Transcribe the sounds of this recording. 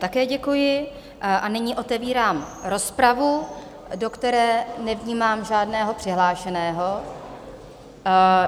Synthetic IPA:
t̪akɛːɟɛkujɪ | ʔanɪɲɪʔo̞t̪ɛviːɾaːmɾo̞spɾavu | do̞kt̪ɛɾɛːnɛvɲiːmaːmʒaːdnɛːɦo̞pr̥ɪɦlaːʃɛnɛːɦo̞

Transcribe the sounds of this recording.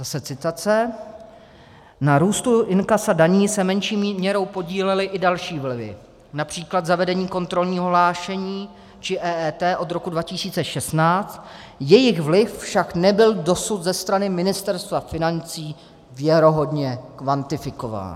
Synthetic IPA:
zasɛt͡sɪt̪at͡sɛ | naɾuːst̪uʔɪnkasadaɲiːsɛmɛnʃiːmmɲɛɾo̞wpo̞ɟiːlɛlɪʔɪdalʃiːvlɪvɪ̰ | napr̝̥iːklad̪zavɛdɛɲiːko̞nt̪ɾo̞lɲiːɦoɦlaːʃɛɲiː | t͡ʃɪʔɛːɛːt̪ɛːʔo̞d̪ɾo̞kudvacɪsiːt͡sɛʃɛst̪naːt͡st̪ | jɛjɪɣvlɪffʃaknɛbɪldo̞sut̪zɛst̪ɾanɪmɪnɪst̪ɛɾst̪vafɪnant͡siː | vjɛɾo̞ɦo̞dɲɛkvant̪ɪfɪko̞va̰ːn

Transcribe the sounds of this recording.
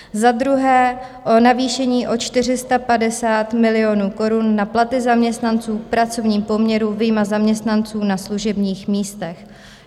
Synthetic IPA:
zad̪ɾuɦɛː | ʔo̞naviːʃɛɲiːʔo̞t͡ʃt̪ɪr̝ɪst̪apadɛsaːt̪mɪlɪo̞nuːko̞ɾunːaplat̪ɪzamɲɛst̪nant͡suːkpɾat͡so̞vɲiːmpo̞mɲɛɾuvijmazamɲɛst̪nant͡suːnasluʒɛbɲiːxmiːst̪ɛx

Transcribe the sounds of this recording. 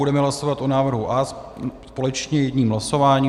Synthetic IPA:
udɛmɛɦlasovat̪ʔonaːvr̩ɦuʔaːsspo̞lɛt͡ʃɲɛjɛdɲiːmɦlaso̞vaːɲiː

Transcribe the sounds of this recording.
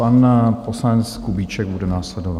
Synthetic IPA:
anposlaɛnt͡skubiːt͡ʃɛɡ̚budɛnaːslɛdova

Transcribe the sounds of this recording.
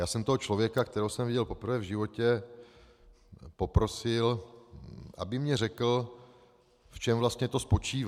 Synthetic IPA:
jaːsɛmt̪oɦot͡ʃlo̞vjɛkakt̪ɛɾowsɛmvɪɟɛlpo̞pɾ̩vɛːvʒɪvo̞cɛ | po̞pɾo̞sɪl | ʔa̰bɪmɲɛrɛkl̩ | ft͡ʃɛmvlast̪ɲɛt̪o̞spo̞t͡ʃiːv

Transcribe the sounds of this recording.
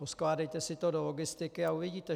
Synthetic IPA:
osklaːdɛjt̪ɛsɪt̪odoloɡɪst̪ɪkɪauvɪɟiːt̪ɛ

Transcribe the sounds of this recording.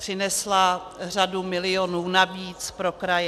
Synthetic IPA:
r̝̥ɪnɛsla | r̝adumɪlɪjonuːnaviːt͡spɾokɾajɛ

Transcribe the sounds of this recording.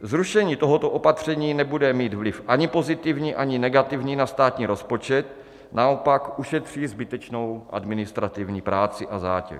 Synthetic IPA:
zɾuʃɛɲiːt̪oɦot̪oʔo̞pat̪r̝̥ɛɲiːnɛbudɛmiːt̪vlɪfʔaɲɪpo̞zɪt̪ɪvɲiːʔaɲɪnɛɡat̪ɪvɲiːnast̪aːt̪ɲiːɾo̞spo̞t͡ʃɛt̪̚ | nao̞pakʔuʃɛt̪r̝̥iːzbɪt̪ɛt͡ʃno̞wʔa̰dmɪnɪst̪ɾat̪ɪvɲiːpɾaːt͡sɪʔaza̰ːcɛ̰

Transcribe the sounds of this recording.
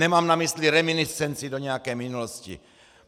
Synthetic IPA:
nɛmaːmnamisliɾɛminiɛnt͡sidoɲɛjakɛjminuloscḭ

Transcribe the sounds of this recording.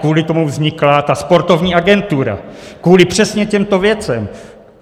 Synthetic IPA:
uːlɪt̪o̞muvzɲɪklat̪aspo̞ɾt̪o̞vɲiːaɡɛnt̪uɾa̰kvuːlɪpr̝̥ɛsɲɛcɛmt̪o̞vjɛt͡sɛm

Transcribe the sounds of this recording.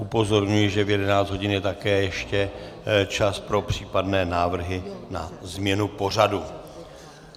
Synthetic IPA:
ʔupo̞zo̞ɾɲujɪʒɛvjɛdɛnaːt͡sd̪ɦoɟɪnjɛt̪akɛːjɛʃcɛt͡ʃaspɾo̞pr̝̥iːpadnɛːnaːvr̩ɦɪnazmɲɛnupo̞r̝adu

